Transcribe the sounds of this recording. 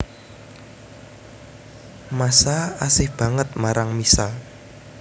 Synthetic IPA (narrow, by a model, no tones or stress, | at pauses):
masaasɪhb̥a̤ŋət̪̚maɾaŋmisal